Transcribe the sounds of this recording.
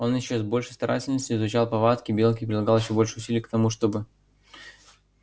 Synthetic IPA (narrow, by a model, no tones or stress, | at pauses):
o̞njɪɕːozbo̞lʲʂəjst̪ɐɾʔa̰tʲɪlʲnəsʲtʲʊɪzʊt͡ɕalˠpɐvat̪kʲɪbʲe̞lˠkʲɪpɾʲɪlˠɐɡɑlˠjɪɕobo̞lʲʂɨ̥ʊsʲilʲɪjəkt̪ɐmuʂt̪o̞bɨ